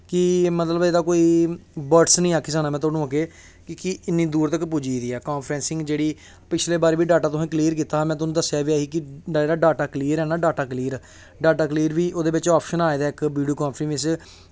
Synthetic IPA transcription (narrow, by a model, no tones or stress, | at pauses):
kɪmət̪ləbeːd̪aːkoːiːbəʈsnəĩːaːkʰɪs̬aːnaːmɛ̃ːt̪ʊaːnũːaːkeː | kɪkɪɪnːĩːd̪uːɾt̪əkpud͡ʒiːd̪iːɛːkaːmpʰɾɛ̃ːnsɪ̃ŋɡd͡ʒeːɽiː | pɪt͡ʃʰleːbaːɾeːʋiːɖaːʈaːt̪ʊsɛ̃ːkliːɾk̬iːt̪ãːmɛ̃ːt̪ʊnũːd̪əsjaːʋiːaːɦiːkɪeːɽaːɖaːʈaːkliːəɾɛːnaːɖaːʈaːkliːɾ | ɖaːʈaːkliːɾʋiːʔoːd̪eːbɪt͡ʃɔːpʰʃənaːeːd̪aːɪkʋiːɖijoːkãːnpʰɾɪ̃ŋʋɪs̬